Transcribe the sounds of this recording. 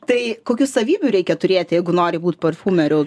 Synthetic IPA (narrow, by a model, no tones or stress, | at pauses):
t̪ɐɪkoːkʲusɐʋʲiːbʲʊɾʲɛɪkʲɛt̪ʊɾʲeːt̪ʲjɛɪɡʊnoːɾʲɪbuːt̪ʲpoɾfuːmʲɛɾʲʊ